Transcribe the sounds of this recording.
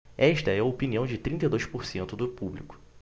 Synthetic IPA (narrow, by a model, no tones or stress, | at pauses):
ɛʃt̪ɐɛɐopiniɐ̃w̃d͡ʒɪt̪ɾĩnt̪ɐjd̪ojspoɾsẽnt̪ʊd̪ʊpublikʊ̥